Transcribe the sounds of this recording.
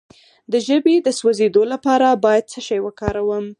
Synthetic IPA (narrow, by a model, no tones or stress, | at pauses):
d̪əʒəbed̪əswazed̪olapɑɾabɑjad̪̚səʃɑjwəkɑɾawəm